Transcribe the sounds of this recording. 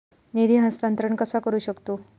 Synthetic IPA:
nid̪iːɦəst̪ənt̪ɾəɳkəsakəɾuːɕəkt̪oː

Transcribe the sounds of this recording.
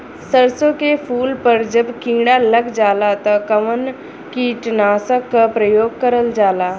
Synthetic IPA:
səɾsokefuːlpəɾd͡ʑəbkĩŋɡɽaləɡd͡zalat̪əkəʋən | kiʈnasəkːəpɾəjoɡkəɾəld͡zala

